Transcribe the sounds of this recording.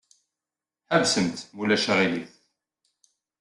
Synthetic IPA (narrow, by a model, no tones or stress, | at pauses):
ħəvsəmt̪mulæʃaʁiliθ